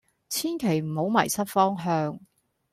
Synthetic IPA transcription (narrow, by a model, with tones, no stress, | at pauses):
t͡sʰiː˥nkʰe˨˩jm̩˨˩ho˨˥wmɐ̰˨˩jsɐ˥t̚fɔː˥ŋɦœː˧ŋ